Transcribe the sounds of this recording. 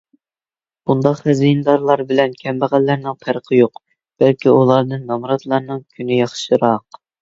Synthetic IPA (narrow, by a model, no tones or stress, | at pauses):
b̥und̪ɑqhɛzijnɨd̪ɑɾlˠɑɾbɪlɛnkʲʰɛmbæʁælːæɾnɪŋpʰæɾəqʰəjoq | b̥ɛlkʲiulˠɑɾd̪ɨnːɑmɾɑt̪lˠɑɾnɨŋkʲʰynɪjɑχʃɨɾɑq